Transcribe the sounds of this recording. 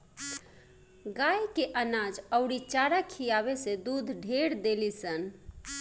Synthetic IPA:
ɡajkeʔənad͡ʒəʊɽit͡ʃaɾakʰijaβesed̪ud̪ʱɖʱeɾd̪elisən

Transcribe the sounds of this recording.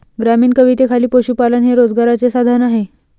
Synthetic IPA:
ɡɾamiːnkəʋit̪ekʰaliːpoɕuːpalənɦeɾod͡zɡaɾat͡sesad̪ʱanaɦe

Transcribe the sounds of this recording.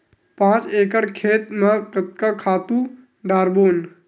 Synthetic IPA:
pãːt͡ʃeːkəɽkʰeːt̪mẽkt̪kakʰaːt̪ũ | ɖaːɾboːn

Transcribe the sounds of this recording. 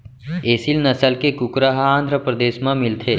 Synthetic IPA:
eːsilnɐsəlkekʊkɾaɦaãːnd̪ʱɾəpɾəd̪eːʃmãmɪlt̪ʰeː

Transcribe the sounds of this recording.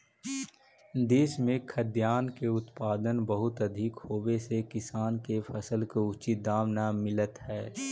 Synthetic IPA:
d̪eːʃmẽkʰəd̪jaːnkeʊt̪paːd̪ənbəɦʊt̪ɐd̪ʱɪkhoːwesekɪsaːnkefʰəsəlkoʊt͡ʃid̪aːʋnamɪlət̪hɛː

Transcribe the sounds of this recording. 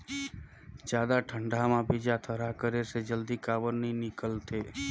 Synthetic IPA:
d͡ʒjad̪aʈʰəɳɖamãbid͡ʒat̪ʰəɾakəɾeʃed͡ʒəld̪ikaʋəɾninɪkəlt̪ʰe

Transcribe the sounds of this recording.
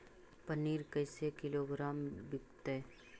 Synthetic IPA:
pəniːɾkəjsekɪloːɡɾaːmbɪkt̪e

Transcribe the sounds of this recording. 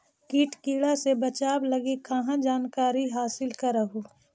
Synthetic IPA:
kiːʈkiːɽasebɐt͡ʃaːblɐɡikɐɦãd͡ʒaːnkaːɾiɦaːsɪlkɐɾəɦoː

